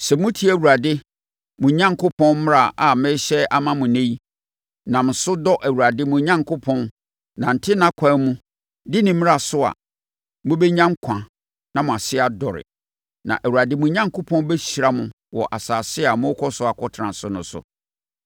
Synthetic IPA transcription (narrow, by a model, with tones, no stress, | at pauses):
sɛ˨mʊ̃˦tʰi˦æ˨wu˨ɾa˨dɪ˦ | mʊ̃˨˦ɲã˦ŋkʰʊ˦pʰɔ̃˦nm˦ɾa˨ʔa˨mɪ̃˦ɕɛ˦ʔa˦mã˦mʊ̃˨nẽ˦ji˦ | nã˨m̩˨sʊ˦dɔ˦ʔæ˨wu˨ɾa˨dɪ˦mʊ̃˨˦ɲã˦ŋkʰʊ˦pʰɔ̃˦n | nã˨n̩˨tʰɪ˦nã˦kʰʷã˨˦mũ˦ | dɪ˦nɪ̃˨m̃˦a˨sʊ˦a̰˨ | mʊ̃˦bɛ˦ɲã˦ŋ˦kʷʰã˨ | nã˦mʊ̃˨a˨sɪ˦a˨dɔ˨ɾɪ̰˨ | nã̰˨ʔæ˨wu˨ɾa˨dɪ˦mũ˨˦ɲã˦ŋkʰʊ˦pʰɔ̃˦n˦bɛ˦ɕɾa˦mʊ̃˨ | wɔ˨ʔa˨saː˨sɪ˦a˨mʊ̃˦kʰɔ˦sʊ˦a˨kʰɔ˦tʰɾã˨sʊ˦nʊ̃˨sʊ̰˨